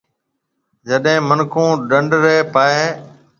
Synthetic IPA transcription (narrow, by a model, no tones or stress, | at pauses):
d͡ʒəɗɦẽːmənkũːɗəɳɖɾeːpaːeː